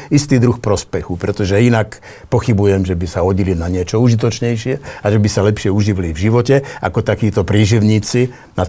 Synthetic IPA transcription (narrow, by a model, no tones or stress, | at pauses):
ist̪iːd̪ɾuxpɾɔspɛxupɾɛt̪ɔʒɛinak | pɔxibujɛmʒɛbisaɔɟilinaɲɪɛt͡ʃɔuʒit̪̬ɔt͡ʃɲɛjʃɪɛaʒɛbisalɛpʃɪɛuʒiʋilivʒiʋɔcɛa̰kɔt̪akiːt̪ɔpɾiːʒiʊɲiːt͡si | na